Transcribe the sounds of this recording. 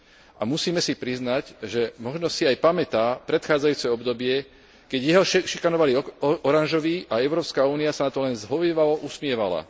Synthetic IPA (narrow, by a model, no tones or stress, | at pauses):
ʔamusiːmɛsipɾiznacʒɛmɔʒnɔsiajpamɛt̪aːpɾɛt̪xaːd͡zajuːt͡sɛɔbd̪ɔbɪɛ | kɛɟjɛɦɔʃikanɔʋaliɔɾanʒɔʋiːʔaɛʊɾɔːpskauːniasanat̪ɔlɛnzɦɔʋiːʋalɔʔusmɪɛʋa̰la̰